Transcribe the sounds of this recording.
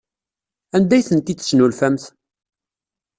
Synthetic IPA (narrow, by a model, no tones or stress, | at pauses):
ænd̪æjθənt̪iə̥snulfæmθ